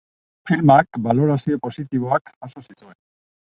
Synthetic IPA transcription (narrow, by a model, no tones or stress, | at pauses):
filmakbalo̞ɾasio̞po̞sit̪iβ̞o̞akaso̞sit̪ue̞n